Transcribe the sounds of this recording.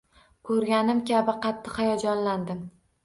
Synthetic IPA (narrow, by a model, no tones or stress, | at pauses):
kʰɵɾɡʲanɪmkʲabɪqʰɑt̪ʰːɨhajɒd͡ʒɒnland̪ɪm